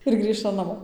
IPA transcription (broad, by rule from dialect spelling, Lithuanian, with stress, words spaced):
ɪr ˈɡrʲiːʃtɐm nɐˈmoː